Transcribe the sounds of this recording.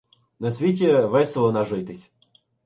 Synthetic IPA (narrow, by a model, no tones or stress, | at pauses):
nɐsʲʋʲitʲiʋɛsʲelˠɔnɐʒɪjt̪ɪsʲ